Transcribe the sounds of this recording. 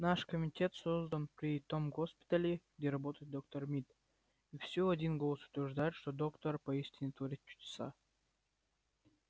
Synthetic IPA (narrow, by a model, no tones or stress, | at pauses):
naʂkomʲitʲet̪sozd̪ənpɾʲit̪omɡospʲi̥t̪əlʲiɡd̪ʲeɾɐbot̪əjt̪̚d̪ok̚t̪ormʲit̪ | ifsʲoɐdʲinɡolˠəsu̥t̪ʲvʲɪrʐd̪ajt̪ʃt̪od̪okt̪orpɐisʲt̪ʲinʲɪt̪voɾʲit̪̚ʲt͡ɕːu̥t̪ʲsa̰